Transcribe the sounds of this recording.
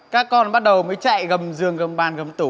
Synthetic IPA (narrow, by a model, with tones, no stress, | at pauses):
kaː˦˥kːɔ˧nɓa˦˥t̚ɗə˨˩wməː˨˦jt͡ɕa̰ː˧˨jɣə˨˩mzɨ˨˩əŋɣə˨˩mɓaː˧˩nɣə˨˩mt̪u˨˧˩